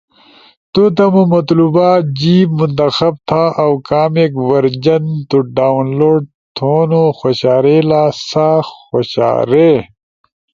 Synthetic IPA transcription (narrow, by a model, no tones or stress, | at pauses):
t̪ut̪ɐmumɐt̪luːbaːd͡ʑiːbmunt̪ɐxɐb̚t̪ʰaːʔɐwkaːmekwɐɾd͡ʑɐnt̪uɖaːunloːɖ | t̪ʰoːnoxoɕaːɾeːlaːsaxoɕa̰ːɾe